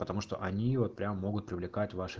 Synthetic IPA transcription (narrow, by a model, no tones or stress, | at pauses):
pət̪ɐmuʂt̪o̞̰ʔɐnʲivo̞tt̪pɾʲamːo̞ɡʊt̪̚pɾʲɪvlʲɪkatʲvaʂɨ